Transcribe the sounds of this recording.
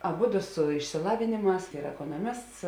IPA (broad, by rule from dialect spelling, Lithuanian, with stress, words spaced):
ɐˈbʊdʊ sʊ ɪʃʲsʲɪˈlˠɑːʋʲeːnʲeːˌmɑːs ˈiːr ɛkoːnoːˈmʲɪsts